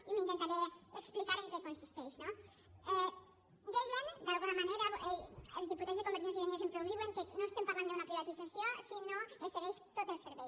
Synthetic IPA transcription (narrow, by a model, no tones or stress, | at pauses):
imĩnt̪ẽnt̪aɾeeksplikaɾẽŋkekõnsist̪ejʃno | ɛ | d̪eʒand̪alɣunɐmaneɾɐʔeɐzðipuɾt̪ẽzðekomeɾs̬ajs̬iβɐnez̬empɾoβiβeŋkenõw̃st̪ẽmpamãnd̪eunɐpɾiβat̪izasjõsinõẽseɣejʃt̪oðafeɾβe